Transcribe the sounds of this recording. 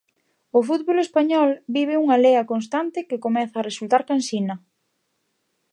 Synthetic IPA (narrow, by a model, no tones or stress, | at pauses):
ʊfut̪̚βolespaɲɔlbiβ̞ɪuŋaleɐkonst̪ant̪ɪkɪkomɛθɐːresult̪aɾkansinɐ